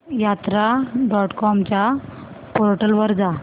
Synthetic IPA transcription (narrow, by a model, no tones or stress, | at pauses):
jat̪ɾaɖɔʈkɔmt͡ɕa | poɾʈəlʋəɾd͡za